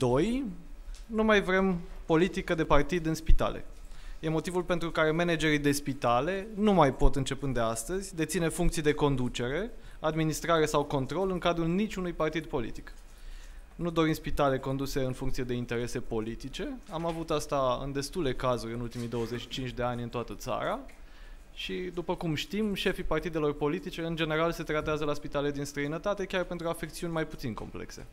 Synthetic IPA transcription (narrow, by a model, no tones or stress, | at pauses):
d̪o̞j | numajvɾe̞mpo̞lit̪ikəd̪e̞part̪id̪ɨnspit̪a̰lḛ | je̞mo̞t̪ivulpe̞nt̪ɾukaɾe̞me̞ned͡ʒe̞ɾid̪e̞spit̪ale̞numajpo̞t̪ɨnt͡ʃe̞pɨnd̪e̞ast̪əzʲd̪et̪sine̞fuŋkt̪sijd̪e̞ko̞nd̪ut͡ʃe̞ɾe̞ | ad̪minist̪ɾaɾe̞sawko̞nt̪ɾo̞lɨŋkad̪ɾulnit͡ʃʲunujpart̪id̪po̞lḭt̪i̥k | nud̪o̞ɾimspit̪ale̞ko̞nd̪use̞ɨnfuŋkt̪sied̪e̞int̪e̞ɾe̞se̞po̞lit̪it͡ʃe̞amavut̪ast̪aɨ̰nd̪e̞st̪ule̞kazuɾʲɨnult̪imijd̪o̞wəze̞t͡ʃʃi̥t͡ʃint͡ʃʲd̪e̞anʲɨnt̪oat̪ət̪sa̰ɾa | ʃid̪upəkumʃt̪imʃe̞fipart̪id̪e̞lo̞rpo̞lit̪it͡ʃe̞ɨnd͡ʒe̞ne̞ɾalse̞t̪ɾat̪eazəlaspit̪aled̪inst̪ɾəinət̪at̪e̞kʲarpe̞nt̪ɾuafekt̪siunʲmajput̪sinko̞̰mplḛkse̞̰